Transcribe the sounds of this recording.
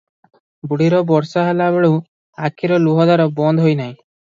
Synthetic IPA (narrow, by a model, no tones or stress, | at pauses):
buɽiɾɔbɔɾsaɦelabeɭu | akʰiɾɔluɦɔd̪aɾɔbɔnd̪ʱɦojnaɦĩ